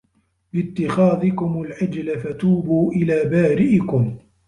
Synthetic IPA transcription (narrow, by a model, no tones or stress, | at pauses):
bɪt̪ːɪxaːðɪkʊmʊlʕɪd͡ʒlafat̪uːbuːʔɪlaːbaːɾɪʔɪkʊm